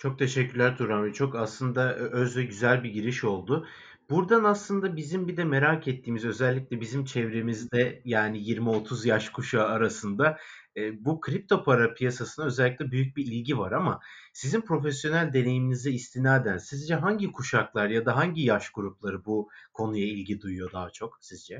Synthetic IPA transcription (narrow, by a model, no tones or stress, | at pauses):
t͡ʃʰo̞k̚t̪ʰe̞ʃɛcʰːylʲæɾt̪ʰuɾamvɛt͡ʃʰo̞kaslˠɯnd̪aʔøzvɛɟyzælʲbiɟiɾiʃo̞lˠd̪ʊ | b̥uɾd̪anaslˠɯnd̪abizimbid̪ɛme̞ɾacʰɛt̪ʰːiːmizø̞zɛlʲːic̚lʲɛbizimt͡ʃʰɛvɾe̞mizd̪ɛjaːnijiɾmio̞t̪ʰuzjaʃkʰuʃaaɾasɯnd̪aː | bukʰɾip̚t̪ʰo̞pʰaɾapʰijasasɯnaø̞zɛlʲːiclʲɛbyjyc̚biilʲɟivaɾama | sizinpʰɾo̞fesjo̞nælʲd̪e̞ne̞jiminiziːst̪ʰinaːd̪ænsizd͡ʒɛɦaɲɟikʰuʃaklˠaɾjad̪aɦaɲɟijaʃɡuɾuplˠaɾɯbukʰo̞nujailʲɡɟid̪ujujo̞d̪aɦat͡ʃʰo̞ksizd͡ʒɛ